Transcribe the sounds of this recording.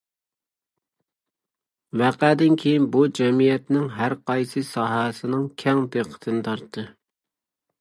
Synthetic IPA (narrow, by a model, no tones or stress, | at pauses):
væqæd̪ɪnkʲʰejinbud͡ʒɛmijɛt̪nɪŋɦæɾqɑjsɨsɑːɦɑsɪnɪŋkʲʰɛŋd̪eqʰə̥t̪ʰɨnɪt̪ʰɑɾt̪ʰːɨ